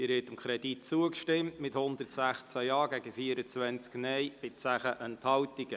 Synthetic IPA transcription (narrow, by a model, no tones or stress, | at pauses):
ɪɾhɛtəmkʰɾɛd̥it̚t͡suəkʃtɪmtmɪthʊnd̪ərtsæχt͡sæjɑːɡɛɡəfiəɾət͡sʋɛnt͡sknɛjbɪt͡sæχəʔənt̪hɑwtiɡ̥ə